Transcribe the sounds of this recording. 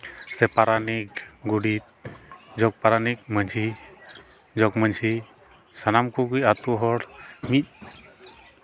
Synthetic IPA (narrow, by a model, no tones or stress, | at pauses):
sɛpaɾanik̚ɡuɽit̪̚d͡ʒɔk̚paɾanik̚məɲsi | d͡ʒɔkməɲsi | sanamkuɡujat̪uɦɔɽmit̪̚